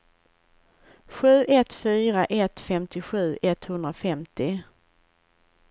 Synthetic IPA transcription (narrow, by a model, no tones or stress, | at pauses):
ɧʉ̟ːʔɛt̪fyːɾaʔɛt̪fɛmt̪ɪɧʉ̟ːʔɛt̪hɵnd̪ɾafɛmt̪ɪ